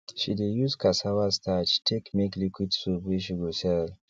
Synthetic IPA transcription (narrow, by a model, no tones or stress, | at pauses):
ʃidejuskʰasawastʰat͡ʃtʰekmeklikʷwidsubiʃiɡosɛl